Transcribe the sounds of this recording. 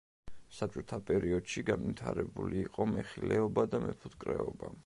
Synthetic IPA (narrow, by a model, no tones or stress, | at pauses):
sat͡ʃʼɔt̪ʰapʼɛɾiɔd̪̥ʃiɡanvit̪ʰaɾɛbuliːqʼɔmɛχilɛɔbad̪amɛpʰut̪kʼɾɛɔba